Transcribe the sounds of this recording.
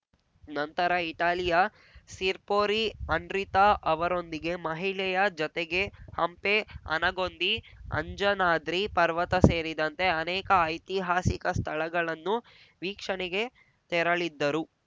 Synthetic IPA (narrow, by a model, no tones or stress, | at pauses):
nɐnt̪ɐɾɐiʈaːlijɐ | siɾpoːɾiɐɳɖɾit̪aʔɐʋɐɾo̞nd̪iɡe̞mɐɦiɭɛjɐd͡ʒɔt̪eɡe̞hɐmpeɐ̰nɐɡo̞nd̪i | ɐ̰ɲd͡ʒɐnaːd̪ɾipɐɾʋɐt̪ɐse̞ːɾid̪ɐnt̪e̞ɐnɛːkɐɐjt̪iɦaːsikɐst̪ʰɐɭɐɡɐɭɐnːu | ʋiːkʂɐɳɛɡe̞ | t̪ɛɾɐɭid̪ːɐɾu